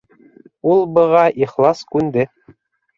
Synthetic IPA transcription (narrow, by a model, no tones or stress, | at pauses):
ulˠbɤ̆ʁɑʔiχlˠɑskʉnd̪ɘ